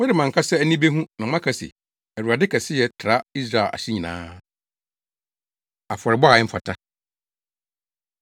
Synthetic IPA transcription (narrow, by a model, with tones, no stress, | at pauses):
mʊ̃˦dɪ˨mã˨ŋ̩˨kʰa˦sɛ˦æ˦nĩ˦be˦ɦũ˦nã˨mã˦kʰa˦˨sḭ˨ | æ˨u˨a˨dɪ˦kʰɛ˨sɪ˦jɛ˨tʰɾa˦i˦s̬ɾa˨lʔa̰˨ɕɪ˦ɲĩ˨nã̰ː˦ | a˨fɔ˨ɾɪ˨bɔ˦a˨ɪ˦m̩˦fa̰˨tʰa˦